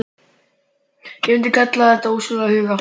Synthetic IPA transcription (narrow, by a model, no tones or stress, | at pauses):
jɛmɪnt̪ɪkʰat̪laðɛht̪ausʏlahʏːva